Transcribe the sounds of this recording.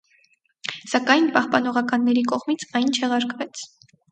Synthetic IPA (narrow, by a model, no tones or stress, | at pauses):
sɑkɑjnpɑhpɑn̪ɔʁɑkɑnːɛɾikɔʁmit͡sʰɑjnt͡ʃʰɛʁɑɾkvɛt͡sʰ